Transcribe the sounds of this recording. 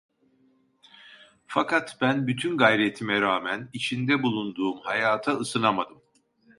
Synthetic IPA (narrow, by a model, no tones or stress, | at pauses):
fakʰat̪b̥ænbyt̪ʰynɡajɾet̪ʰimɛɾaːmænit͡ʃʰind̪ɛbulˠund̪uːmhajaːt̪ʰaɯsɯnamad̪ɯm